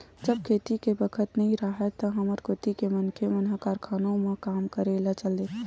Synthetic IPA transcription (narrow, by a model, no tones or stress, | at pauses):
d͡ʒəb̚kʰeːt̪ikebəkʰət̪nɐɦĩɾaɦɛt̪ɔɦɐməɾkʰoːt̪ikemənkʰemɐnɦəkaːɾkʰaːnõmẽkaːmkəɾeːlat͡ʃəle